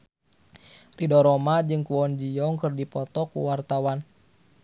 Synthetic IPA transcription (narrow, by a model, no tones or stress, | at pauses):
ridɔɾɔmad͡ʒɨŋkuwɔnd͡ʒijɔŋkərdipɔt̪ɔkṵwart̪awan